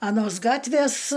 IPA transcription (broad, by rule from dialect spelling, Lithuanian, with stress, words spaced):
ɐˈnoːs ˈɡɑːtʲʋʲeːs